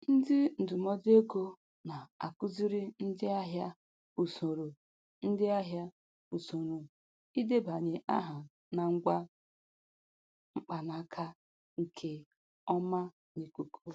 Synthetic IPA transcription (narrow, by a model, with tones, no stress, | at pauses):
n̩˦dɪ˦n̩˨dʊ˨mɔ˦de˦ɡo˦ | na˨a̰˨kʊ˦zi˦ɾɪ˦n̩˦dɪ˦a˦ɦja˦ | u˨so˨ɾu˨ | n̩˦dɪ˦a˦ɦja˦ | u˨so˨ɾu˨ | i˦de˦ba˨ɲe˨ʔa̰˦ɦa˨ | na˨ŋ̩˦ɡʷa˦ | ŋ͡m̩˦k͡pa˨na˨˦kʰa˦ | ŋ̩˨kʰe˨ | ɔ˦ma˦ | ni˨ku˨kʰu˦